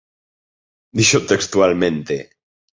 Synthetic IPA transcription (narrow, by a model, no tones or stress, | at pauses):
d̪iʃot̪ekst̪ualmẽnt̪e